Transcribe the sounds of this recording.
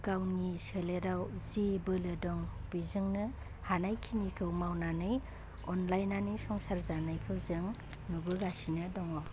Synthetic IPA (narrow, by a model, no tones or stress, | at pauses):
ɡawniseleɾawzibɯlɯdɔŋbizɯŋnɯ | hanajkʰinikʰɯwmawnanɯj | ɔnlajnanɯjsɔŋsaɾzanajkʰɯwzɯŋ | nubɯɡasinɯdɔŋaw